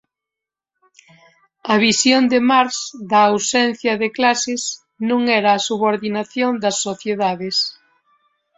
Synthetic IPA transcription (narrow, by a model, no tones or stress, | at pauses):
ɐβisjond̪emaɾsðɐːwsɛn̟θjɐðɪklasɪs | nũŋɛɾɐːsuβoɾðinaθjond̪ɐsːoθjeðaðɪs